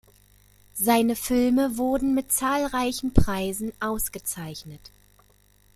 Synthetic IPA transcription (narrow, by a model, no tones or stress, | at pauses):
zaɪnəfɪlməvʊɐdn̩mɪtt͡saːlʁaɪçn̩pʁ̥aɪzn̩ʔaʊsɡ̥ət͡saɪçnət